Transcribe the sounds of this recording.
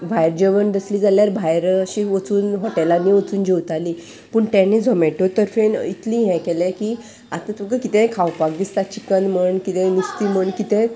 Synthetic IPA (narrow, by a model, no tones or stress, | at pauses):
bʱajɾd͡ʑəʋənd̪əsliːd͡zaljaɾbʱajɾəɕiʋət͡suːnɦɔʈelanːiʋət͡suːnd͡ʑewt̪aliː | pəːɳt̪ãnid͡zʱɔmeʈot̪əɾfenit̪lĩɦɛ̃kɛlɛ̃ki | a̰t̪ãt̪əɡəkit̪ɛ̃kʰawpak̚d̪ist̪at͡ɕikənməɳkit̪ɛ̃nist̪iːməɳkit̪ɛ̃